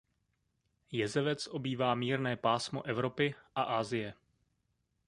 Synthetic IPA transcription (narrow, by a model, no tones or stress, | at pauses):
jɛzɛvɛt͡sʔo̞biːvaːmiːɾnɛːpaːsmo̰ʔɛvɾo̞pɪʔaʔaːzɪjɛ